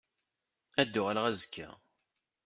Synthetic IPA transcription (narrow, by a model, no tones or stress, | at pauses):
æd̪ːʊʁælʁæzəkʰːæ̰